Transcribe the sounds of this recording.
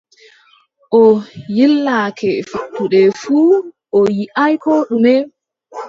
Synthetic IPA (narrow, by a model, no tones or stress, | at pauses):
ʔɔjilːakʰɛfiɗtːuɗɛfuːʔɔjiʔajkɔɗumɛ